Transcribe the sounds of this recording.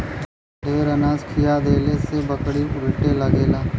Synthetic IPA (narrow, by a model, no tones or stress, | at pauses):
ɖʱeːɾənaːd͡ʒkʰijad̪eːlesebəkɽiʊɾʈelɐɡeːlaː